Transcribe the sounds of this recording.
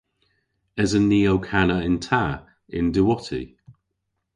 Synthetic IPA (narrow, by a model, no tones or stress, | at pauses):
ɛzəniːoʊkʰanəɪ̃ntʰa | ɪ̰̃ndəwɔtʰḭ